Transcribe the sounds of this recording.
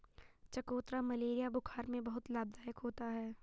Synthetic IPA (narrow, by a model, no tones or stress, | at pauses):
t͡ʃɐkoːt̪ɾamɐleːɾijabʊkʰaːɾmẽbɐɦʊt̪laːb̚d̪aːjəkɦoːt̪aɦɛː